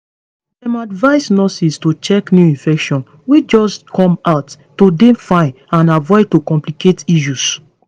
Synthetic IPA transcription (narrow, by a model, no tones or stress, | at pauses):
dɛ̃madvaɪsnɔsistot͡ʃɛknjuĩnfɛkʃɔ̃n | wid͡ʒɔskɔ̃maʊtːodẽfãɪn | ãnavɔɪtokɔ̃mpliketiʃ̬us